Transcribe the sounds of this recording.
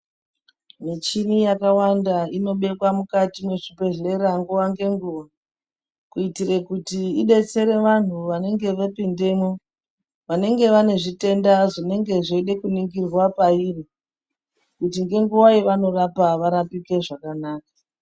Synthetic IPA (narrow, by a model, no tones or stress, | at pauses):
met͡ʃinijakawandaino̞ɓe̞kwamukatimwe̞ʐibe̞ɮe̞ɾaŋɡuʋaŋɡe̞ŋɡuʋa | kuitire̞kutiiɓe̞t͡se̞ɾe̞ʋan̤uʋane̞ŋɡe̞ʋapinde̞mo | ʋane̞ŋɡe̞ʋane̞ʐite̞ndaʐine̞ŋɡe̞ʐeiɗekuniŋɡirwapairi | kutiŋɡe̞ŋɡuwaiʋano̞rapaʋaɾapike̞ʐakanaːka